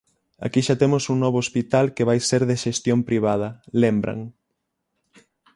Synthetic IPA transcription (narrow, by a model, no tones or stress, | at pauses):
a̰kiʃat̪emʊsuŋnɔβ̞oospit̪alkeβajseɾðeʃest̪jompɾiβ̞að̞ɐlembɾɐ̰ŋ